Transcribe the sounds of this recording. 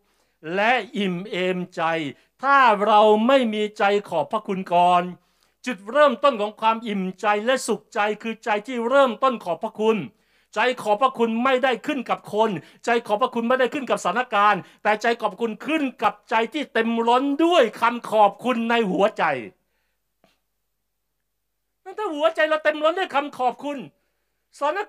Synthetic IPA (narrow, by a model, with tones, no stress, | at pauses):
lɛ˦˥ʔʔi˨˩mʔeː˧mt͡ɕa˧j | t̪ʰaː˥˩ɾa˧wma˥˩jmiː˧t͡ɕa˧jkʰɔː˨˩pʰɾa˦˥˩kʰu˧nkɔː˨˧n | t͡ɕi˨˩t̪̚ɾɤː˥˩mt̪o˥˩nkʰɔː˩˦ŋkʰwaː˧mʔi˨˩mt͡ɕa˧jlɛ˦˥su˨˩k̚t͡ɕa˧jkʰɯː˧t͡ɕa˧jt̪ʰiː˥˩ɾɤː˥˩mt̪o˥˩nkʰɔː˨˩pʰːɾa˦˥kʰu˧n | t͡ɕa˧jkʰɔː˨˩˦pʰɾa˧˥˩kʰu˧nma˥˩jda˥˩jkʰɯ˥˩nka˨˩p̚kʰo˧n | t͡ɕa˧jkʰɔː˨˩pʰːɾa˧˥kʰu˧nma˥˩jda˥˩jkʰɯ˥˩nka˨˩p̚sa˩˦na˧˩kaː˧nt̪ɛː˨˩t͡ɕa˧jkʰɔː˨˩p̚ʰːa˥kʰu˧nkʰɯ˥˩nka˨˩p̚t͡ɕa˧jt̪ʰiː˥˩t̪e˧mɾo˦˥ndu˥˩əjkʰa˧mkʰɔː˨˩p̚kʰu˧nːa˧jhu˨˩˦ɐt͡ɕa˨˧j | na˥˩t̪ʰaː˥˩hu˨˦ɐt͡ɕa˧jla˧wt̪e˧mɾo˦˥ndu˥˩˨jkʰa˧mkʰɔː˨˩p̚kʰu˧n | sa˧t̪ʰːna˧˥